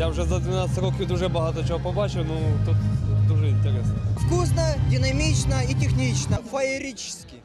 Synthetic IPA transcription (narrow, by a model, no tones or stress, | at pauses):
jaʊʐɛzɐd̪ʲvʲɪnat̪st̪ʲɾokʲit̪ʊʐɛbɐɦat̪ɔt͡ɕɪɦopɐbat͡ɕʊnut̪ut̪d̪uʐɛɪnʲt̪ʲɪɾʲɛsnɐfkusnɐdʲɪnɐmʲit͡ɕnɐitʲɪxnʲit͡ɕnɐfɐeɾʲit͡ʃɪ̥sʲkʲɪ